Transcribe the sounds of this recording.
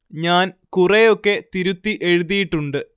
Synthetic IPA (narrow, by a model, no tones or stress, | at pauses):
ɲaːnkurejo̞kːe̞t̪iɾut̪ːiʔe̞ɻuðijiʈːuɳɖɨ